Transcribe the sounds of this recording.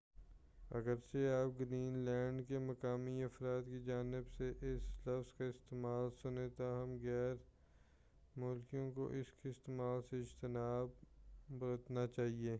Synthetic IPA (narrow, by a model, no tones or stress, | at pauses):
ɐ̰ɡəɾseaːp̚ɡɾiːnlɛ̃ːɳɖkemɐkaːmiɐfɾaːt̪kid͡ʒaːnɪbseʔɪslɐfzkaɪst̪eːmaːlsʊnẽt̪oɦɐmɣɛːɾ | mʊlkijõko̰ʔɪskeɪst̪emaːlseɪd͡ʒt̪ɪnaːbbɾət̪nat͡ʃaːɦieː